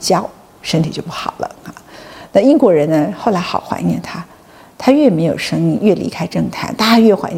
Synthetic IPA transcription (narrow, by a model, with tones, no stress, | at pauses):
t͡ɕjɑ˥ʊ | ʂə˥nt̪ʰi˨˩t͡ɕjo˥˧ʊp̬u˥˩xɑ̰˨˩ʊlə̰˦a˧˩na˥˧i˥ŋkwɔ˧˥ɻə˧˥nnə˧xo˥˩ʊla˧˥ɪxɑ˨˩ʊxwa̰˧˥nnɛ̰˥˩nt̪ʰa˥ | t̪ʰa˥ɥɛ˥˩me˧˥ɪjo˨˩ʊʂɤ˥ŋi˥˧ŋɥɛ˥˩lḭ˧˥kʰa˥ɪʈ͡ʂɤ˥˩ŋt̪ʰa̰˧˥˦nt̪a˥˧ɥɛ˥˩xwa̰˧˥n